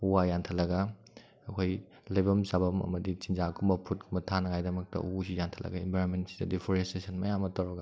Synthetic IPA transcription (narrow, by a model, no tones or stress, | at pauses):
uwajantʰɐlɐɡɐ | ɐkʰoj | lɐjbɐmsabɐmɐ̰mɐdit͡ʃinzakʰumbɐpʰut̚kʰumbɐtʰanɐŋajdɐmɐk̚tɐ̰uusijantʰɐlɐ̰ɡɐimbʱajɾonmentsi̥dɐdipʰoɾestesɐnmɐjamɐtɐwɾɐɡɐ